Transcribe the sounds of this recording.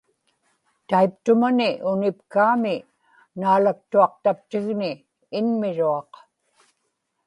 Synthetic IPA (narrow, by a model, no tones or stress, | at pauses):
t̪aip̚t̪ʊmanɪʔʊnɪpkaːmɪ | naːlak̚t̪uɑq̚t̪ap̚t̪ɪɣnɪː | nmɪɻuɑq